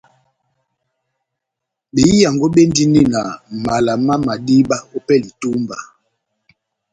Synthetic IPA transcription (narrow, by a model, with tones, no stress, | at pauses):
bi˨˦i˦ja˨ŋɡo˦ɓe˦n˦di˦ni˦na˨ma˨la˨ma˦ma˨di˦ɓa˦o˦pɛ˦li˨tu˦mba˨